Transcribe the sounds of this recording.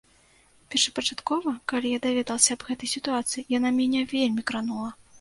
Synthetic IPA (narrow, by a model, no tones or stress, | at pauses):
pʲɛrʂɐ̥pɐt͡ʂat̪kɔvɐkalʲijad̪avʲɛd̪ɐlˠsʲɐːbɣɛt̪ɐjsʲit̪uat̪sɨjijanamʲɛnʲɛvʲelʲmʲikɾanulˠɐ